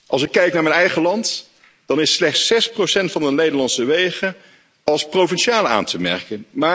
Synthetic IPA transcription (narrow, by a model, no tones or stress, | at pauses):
ʔɑlˠsɪkːɛjknaːɹmɛnɛjχəlɑnt | d̥ɑnɪslɛχtsɛsprosɛntfɑnənlejdənlɑntsəʋejχə | ɑlˠsprowvɛnʃaːləa̰ːntəmɛ̰ɹkənmaː